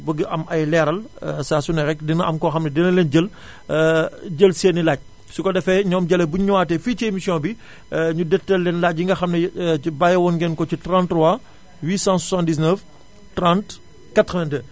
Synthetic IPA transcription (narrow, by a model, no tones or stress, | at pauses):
bəɡəʔɐmʔɐjlɛːɾɐlsaːsunɐɾɛkdinɐɐmkɔxɐmnɐdɛnɐlɛːnɟəl | ɟəlseːnilaːɟ̚ | sukɔdɛfɛɲɔːmɟɐlɐbuɲɲwaːtɛfiːcemisjɔ̃bi | ɲudɛtːɐlːɛnlaːc̚ːiŋɡɐxɐmnɐbajɐwɔnɡɛnkɔcitɾãntrɔwa | wiːsãːsɔsãndis̬nəf | trãnt | katɾɛndə